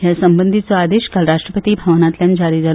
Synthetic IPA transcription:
jasəmbənd̪ʱit͡soad̪eɕkalɾaʂʈɾəpət̪ibʱaʋnat̪ljãnd͡ʑaɾid͡za

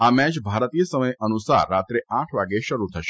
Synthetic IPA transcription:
amɛt͡ʃbʱaɾt̪ijəsəməjənusa̰ɾːat̪ɾeãʈʰʋaɡeʃəɾut̪ʰəʃe

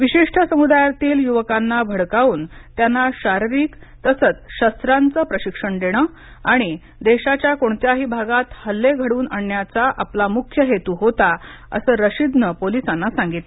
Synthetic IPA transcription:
ʋiɕiʂʈʰəsəmud̪ajat̪iːljuʋəkanːabʱəɽkauːnt̪janːaɕaɾiɾiːk | t̪əsət͡sɕəst̪ɾant͡səpɾəɕikʂəɳd̪eɽ̃ə | aɽ̃i | d̪eɕat͡ɕjakoɳt̪jaɦiːbʱaɡat̪həlːeɡʱəɽuːnaɳjat͡saʔaplamukʰjəɦet̪uɦot̪a | ə̰səːɾəɕid̪nəpolisanːasaŋɡit̪

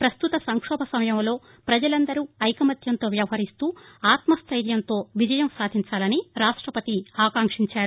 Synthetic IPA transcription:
pɾɐst̪ut̪ɐsɐŋkʂɔːbʱɐsɐmɐjɐmlo̞ː | pɾɐd͡ʒɐlɐnd̪ɐɾuɐjkɐmɐt̪ʰjɐnt̪o̞ːʋjɐʋɐɦɐɾist̪uːaːt̪mɐst̪ʰɐjɾjɐnt̪o̞ːʋid͡ʒɐjɐmsaːd̪ʱiɲt͡ʃaːlɐniɾaːʂʈɾɐpɐt̪iaːkaːŋkʂiɲt͡ʃaːɾu

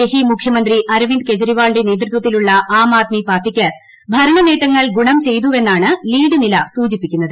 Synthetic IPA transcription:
eɦimukʰjɐmɐnd̪riʔɐɾʋinɖke̞t͡ɕɐɾiʋaːɭɖene̞ːt̪̬rut̪wɐt̪ːiluɭːɐʔaːmaːt̪̚mipaːrʈːikʲːɨ | bʱɐɾɐɳɐne̞ːʈːɐŋːɐɭɡuɳɐmt͡ɕe̞jt̪uʋe̞nːaːɳɨliːɖɨnilɐsuːd͡ʑipːikʲːunːɐðɨ

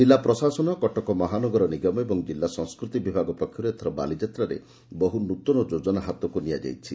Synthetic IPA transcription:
d͡ʒilːapɾɔsasɔnɔkɔʈɔkɔmɔɦanɔɡɔɾɔniɡɔmɔebɔŋd͡ʒilːasɔŋskɾut̪ibibʱaɡɔpɔkʰjɔɾeet̪ʰɔɾɔba̰lid͡ʒat̪ɾaɾḛ | bɔɦunut̪ɔnɔd͡ʒod͡ʒɔnaɦat̪ɔkunija̰d͡ʒa̰jt͡ʃʰi

